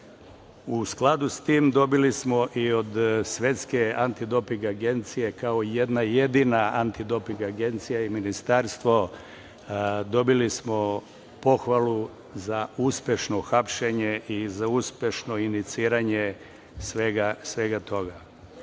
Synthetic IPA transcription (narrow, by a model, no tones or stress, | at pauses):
usklˠad̪ust̪iːmd̪o̞bilismo̞ʔiod̪sʋje̞t̪ske̞ant̪id̪o̞piŋɡaɡe̞nt̪sije̞kaoje̞d̪naje̞d̪inaant̪id̪o̞piŋɡaɡe̞nt̪sijaiminist̪aːɾst̪ʋo̞ | d̪o̞bilismo̞ | po̞xʋalˠu | zauːspʲje̞ʃno̞xapʃe̞ɲe̞izauːspʲjeʃno̞init̪siːɾaɲe | sʋeɡasʋeɡat̪ʰo̞ɡa